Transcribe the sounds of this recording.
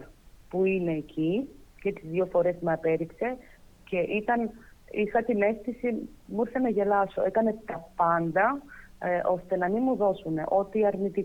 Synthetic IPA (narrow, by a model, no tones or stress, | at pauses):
puine̞ːcʰicet̪izðjofo̞ɾe̞zmɐpe̞ɾikse̞ | ce̞ʔit̪ɐnixɐt̪ine̞sθisimuɾθenɐʝe̞lɐsoʔe̞kɐne̞t̪ɐpɐnd̪ɐ | ʔo̞st̪e̞nɐminmuðo̞sune̞̰ʔo̞t̪iɐɾnit̪i